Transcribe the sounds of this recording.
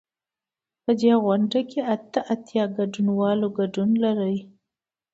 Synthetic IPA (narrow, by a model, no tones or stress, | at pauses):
pəd̪eɣwaɳɖakeat̪əʔat̪jɑɡaɖunwɑloɡaɖunlaɾəj